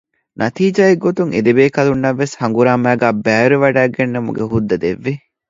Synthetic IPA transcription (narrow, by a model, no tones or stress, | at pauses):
nʔɐt̪iːd͡ʒaːeɡːot̪uŋḛd̪ebeːkɐlunːɐʋːeshɐŋɡuɾaːmæːɡæːbæːɾeʋɐɖæːɡenːɐmṵɡeɦud̪ːɐd̪eʋːi